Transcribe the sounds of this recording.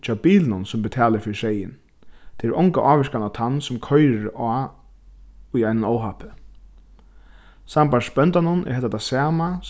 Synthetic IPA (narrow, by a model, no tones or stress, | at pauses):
t͡ʃʰaːbiːlnʊnsʊmbɪt̪ʰɛːlɪɾfɪɾʃejɪ̰n | t̪ʰɛɾʔɔŋkaʔaːʋɪʂkanat̪ʰanːsʊmkʰɔjɪɾaː | ʊjajnanoːwɦapɪ̥ | sambanspœnt̪anʊnʔɛ̰hɛt̪at̪ʰasɛːma